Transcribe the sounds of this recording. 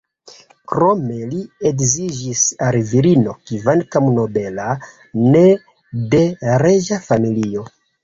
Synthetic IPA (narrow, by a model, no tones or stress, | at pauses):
kɾo̞me̞liekzid͡ʒisalviɾino̞kivankamno̞be̞la | ne̞ | de̞ɾe̞d͡ʒafamilio̞